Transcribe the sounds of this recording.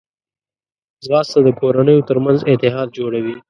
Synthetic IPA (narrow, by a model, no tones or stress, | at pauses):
zɣɑst̪ad̪əkoɾanəjot̪əɾmanzɪt̪ɪɦɑd̪̚d͡ʒoɽawi